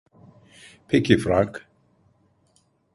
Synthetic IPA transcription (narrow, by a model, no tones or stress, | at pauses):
pʰɪkɪfɾãŋk